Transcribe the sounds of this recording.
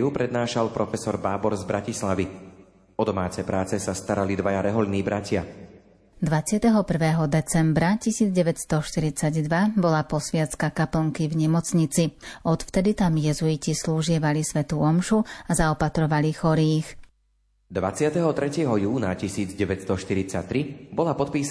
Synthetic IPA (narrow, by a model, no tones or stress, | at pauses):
ɦupɾɛd̪naːʃalˠpɾɔfɛsɔɾbaːbɔɾzbɾacislaʋi | ɔd̪ɔmaːt͡sɛjpɾʔaːt͡sɛsast̪aɾalid̪ʋajaɾɛɦɔʎniːbɾacɪa | d̪ʋat͡sɪat̪ɛɦɔpr̩ʋɛːɦɔd̪ɛt͡sɛmbɾacisiːd͡zɟɛʋɛtst̪ɔʃt̪iɾit͡saɟd̪ʋabɔlapɔsʋɪat̪t͡skakapl̩ŋkivɲɛmɔt͡sɲit͡siɔt̪ft̪ɛd̪it̪amjɛzuicisluːʒɪɛʋalisʋɛt̪uːɔmʃuazaɔpat̪ɾɔʋalixɔɾiːx | d̪ʋa̰t͡sɪat̪ɛɦɔt̪ɾɛcɪɛɦɔjuːnacisiːd͡zɟɛʋɛtt͡st̪ɔʃt̪iɾit͡sa̰t̪ːɾibɔlapɔt̪̚piːs